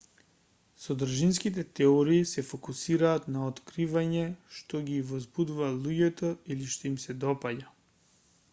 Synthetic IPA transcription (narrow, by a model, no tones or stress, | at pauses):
sɔd̪r̩ʒinskit̪̬ɛt̪ɛɔɾiːsɛfɔkusiɾaːt̪naot̪kɾivaɲɛʃt̪ɔɡivɔzbud̪uvalˠuɟɛt̪ɔiliʃt̪ɔimsɛd̪ɔpaɟa